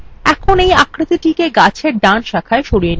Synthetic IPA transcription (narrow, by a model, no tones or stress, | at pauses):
ɛkʰonejakɾat̪iʈikeɡat͡ɕʰeɾɖanʃakʰaeʃoɾijen